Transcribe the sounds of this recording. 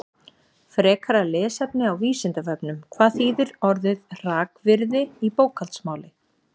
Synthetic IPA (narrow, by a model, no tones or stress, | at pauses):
fɾɛːkʰaɾalɛːsɛpnɪawviːsɪnt̪avœpnʏmkʰvaːðθiːðʏɾɔɾðʏðr̥aːkvɪɾðɪipoːwkʰalt̪smaːwlɪ